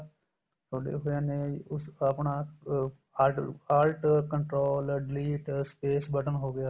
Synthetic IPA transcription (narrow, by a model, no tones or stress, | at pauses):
t̪ʰoːɽḛːɦoːjaːnẽːʊsəpɳaː | aːlʈkə̃ɳʈɾoːlɖɪliːʈspeːsbəʈənɦoːɡɪjaː